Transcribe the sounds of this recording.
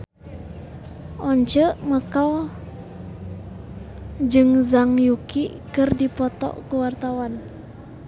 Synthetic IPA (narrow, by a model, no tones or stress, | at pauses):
ʔɔɲt͡ʃəʔməkaw | d͡ʒɨŋzaŋjuki | kɨrdipɔt̪ɔ̰ʔkəwart̪awan